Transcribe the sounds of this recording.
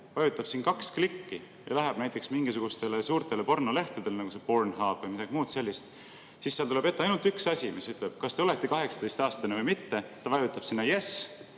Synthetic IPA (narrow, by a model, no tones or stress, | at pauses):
vɑjut̪ːˑɑb̥siːnkɑksklikːi | jɑ̰læɦæb̥næjt̪ːˑe̞ksmiŋɡ̥isuɡ̥ust̪e̞lesuːɾt̪e̞le̞po̞rnole̞ht̪ud̪elenɑɡ̥use̞po̞rnhɑːb̥vɯjmid̥̪ɑɡ̥imuːd̪̥se̞lʲːist̪ | sisːeɑlt̪ule̞bet̪ːeɑjnult̪yksɑsʲimisyt̪ˑleb̥̚kɑst̪e̞ole̞t̪ˑːe̞kɑɦe̞ksɑ̥d̪̥e̞jst̪ɑːst̪ɑnevɤjmit̪ːe̞t̪ɑvɑjut̪ːˑɑb̥sinːɑjes